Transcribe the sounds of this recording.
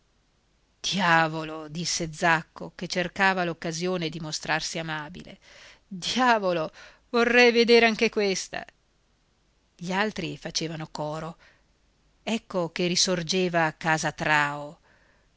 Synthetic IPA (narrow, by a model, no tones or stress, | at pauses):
d̪̥jaːvolod̪isːed̪zakːoket͡ʃːerkaːvalokːazjoːned̪imost̪ɾarsiamaːbḭlḛ | d̪jaːvolo | vorːɛjved̪eːɾeaŋkekwest̪a̰ | ʎialt̪ɾifat͡ʃeːvanokɔːɾo | ɛkːokerisord͡ʒeːvaːkaːzat̪ɾaːo